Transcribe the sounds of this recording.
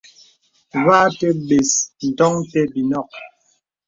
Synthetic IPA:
βaː˦tɛ˦ɓe˨sn̩˨tɔ˦ŋtɛ˦bi˨nɔ˦˨k̚

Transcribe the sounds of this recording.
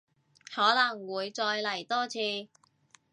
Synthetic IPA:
hɔː˨˥lɐ˨˩ŋwuː˨˧jt͡sɔː˧jlɐ˨˩jt̪ɔː˥t͡sʰiː˧

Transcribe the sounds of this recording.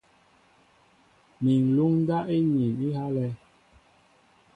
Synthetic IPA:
mi˨n˨lu˦ŋ˦ɡa˦ʔe˦ɲi˨ni˦ha˦lɛ˦

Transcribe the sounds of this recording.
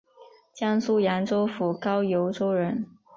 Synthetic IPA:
t͡ɕjɑ˥ŋsu˥jɑ˧˥nʈ͡ʂo˥ʊfu˨˩kɑ˥ʊjo˧˥ʊʈ͡ʂo˥ʊɻə˧˥n

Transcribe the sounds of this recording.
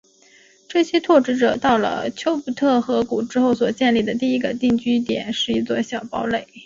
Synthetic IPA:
ʈ͡ʂɤ˥˩ɕjɛ˥t̪ʰwɔ˥˩ʈ͡ʂɻ̩˧˥ʈ͡ʂɤ˨˩t̪ɑ˥˩ʊlə̰˩t͡ɕʰjo˥ʊpu˨˩t̪ʰɤ˥˩xɤ˧˥ku˨˩ʈ͡ʂɻ̩˥xo˥˩ʊswɔ˨˩t͡ɕjɛ˥˧nli˥˩d̪ə˩t̪̬i˥˩i˧˥ɡə˧t̪i˥˩ŋt͡ɕy˥t̪jɛ˨˩˦nʂɻ̩˥˩i˥˩t͡swɔ˥˩ɕjɑ˨˩ʊpɑ˧˥ʊle˥˩˦ɪ

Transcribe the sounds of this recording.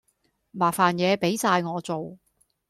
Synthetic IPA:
maː˨˩faː˨njɛː˨˧pe˨˥jsaː˧jŋɔː˨˧t͡so˨w

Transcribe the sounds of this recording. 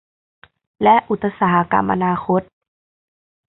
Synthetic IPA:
lɛ˦˥ʔʔu˧˩t̪̚ʰːa˧saː˨˩ha˦ka̰˧mːʔa̰˧naː˧xʰo˦˥t̪̚

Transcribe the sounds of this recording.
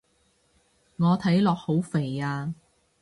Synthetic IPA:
ŋɔː˨˧t̪ʰɐ˨˥jlɔː˨k̚ho˨˥wfe˨˩jaː˧

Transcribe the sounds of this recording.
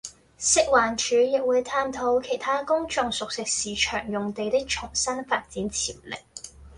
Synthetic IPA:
sɪ˥k̚waː˨˩nt͡ʃʰyː˨˧˥jɪ˨k̚wuː˨˧jt̪ʰaː˧mt̪ʰo˨˥wkʰe˨˩jt̪ʰaː˥kʊ˥ŋt͡ʃʊ˧ŋsʊ˨k̚sɪ˨˧k̚siː˨t͡ʃʰœː˨˩ŋjʊ˨ŋt̪e˨˧jt̪ɪ˥k̚t͡ʃʰʊ˨˩ŋsɐ˥nfaː˧t̚t͡siː˨˥nt͡sʰḭː˨˩wlɪ̰˨˩k̚

